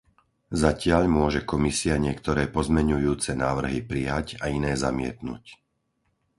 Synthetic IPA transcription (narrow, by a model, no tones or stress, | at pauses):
zacɪaʎmʊɔʒɛkɔmisiaɲɪɛkt̪ɔɾɛːpɔzmɛɲujuːt͡sɛnaːʋr̩ɦipɾijacainɛːzamɪɛ̰t̪nṵc